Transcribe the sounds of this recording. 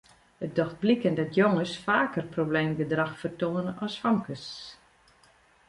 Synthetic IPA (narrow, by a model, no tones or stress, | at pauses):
ət̚dɔxt̚blikəndɔtʰjoŋəsfaːkərprobleːmɡədraxfərtoːnəɔsfamkəs